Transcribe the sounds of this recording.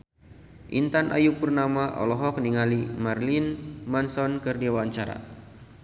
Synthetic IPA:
ʔḭnt̪anʔa̰juk̚pərnamaʔɔ̰lɔɦɔk̚niŋalimarlinmansɔnkɨrdiawaɲt͡ʃaɾa̰

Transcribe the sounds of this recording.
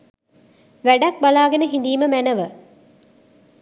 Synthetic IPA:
ʋæɖɐk̚bɐlaːɡenəɦind̪iːməmænɐʋə

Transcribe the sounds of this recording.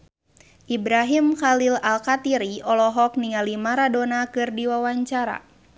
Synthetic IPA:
ʔibɾaɦimxalilalkat̪iɾiɔlɔɦɔk̚niŋalimaɾadonakɨrdiwawaɲt͡ʃaɾa̰

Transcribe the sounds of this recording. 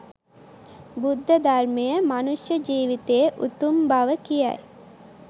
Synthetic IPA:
bud̪ʱːəd̪armejəmanusjəd͡ʒiːʋit̪ejəʔut̪umbaʋəkijæ̰j

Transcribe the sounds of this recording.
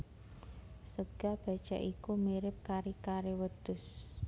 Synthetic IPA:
səɡ̥a̤b̥a̤d̥ʒ̥a̤̰ʔikumiɾɪp̚kaɾikaɾewəd̪̥ʊs

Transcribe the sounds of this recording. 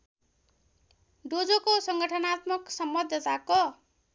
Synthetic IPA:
ɖod͡zokosʌŋɡʌʈʰʌnat̪mʌksʌmbʌd̪ʱʌt̪ako

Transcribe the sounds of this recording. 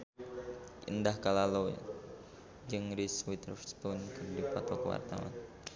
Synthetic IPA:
ʔḭndahkalalo | d͡ʒɨŋɾiswit̪ərfst̪unkɨrdipat̪ɔkəwa̰rt̪a̰wa̰n

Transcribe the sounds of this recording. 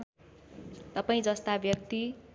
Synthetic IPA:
t̪ʌpaĩd͡zʌst̪abjʌk̚t̪i

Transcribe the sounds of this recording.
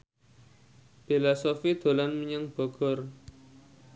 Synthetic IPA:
b̥elasofid̪̥o̤lanməɲəŋb̥ɔ̤ɡ̥ɔ̤r

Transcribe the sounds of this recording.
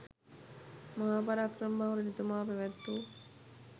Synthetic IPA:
maɦaːpaɾaːkrəmbaʋɾenit̪umaːpæʋɛt̪ːu

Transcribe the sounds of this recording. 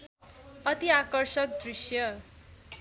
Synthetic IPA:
ʌt̪iakʌrsʌk̚d̪risjʌ

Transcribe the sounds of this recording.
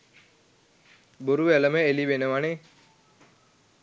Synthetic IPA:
boɾuʋæləməelibenəʋane

